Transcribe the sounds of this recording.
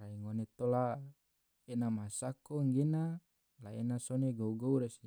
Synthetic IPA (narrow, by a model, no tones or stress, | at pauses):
ɾaiŋonet̪ola | enamasakoŋɡena | laenasoneɡouɡouɾesi